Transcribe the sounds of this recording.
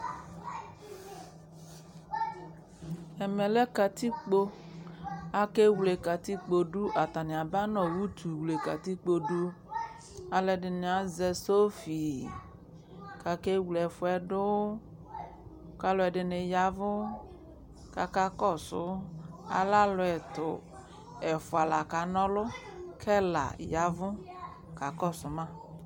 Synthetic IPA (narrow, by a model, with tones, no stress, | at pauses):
ɛ˨mɛ˨lɛ˦ka˨t̪i˦k͡po˦ | a˨ke˦wle˨ka˨t̪i˦k͡po˨ɖu˦ʔa˨t̪a˨nɪ̃˨a˨ba˦nɔ̃˨wu˦t̪u˨wle˨ka̰˨t̪i˦k͡po˨ɖu˦ | a˨lɛ˦ɖɪ˨ne˨a˨zɛ˨so˦fi˨ | ka˨ke˦wlɛ˨fʊ˦ɛ˨ɖʊ˦ | ka˦lʊ˦ɛ˨ɖɪ˨nɪ˨ja˨vʊ˦ | ka˨ka˦kɔ˦˨sʊ̰˦a̰˨la˦lʊ˨ɛ˨t̪ʊ˨ | ɛ˨fʊ˨a˨la˨ka˨nɔ̃˦lʊ˦kʰɛ˦la̰˨ja˨vʊ˦ | ka˨kɔ˦˨sʊ˨mã˦˨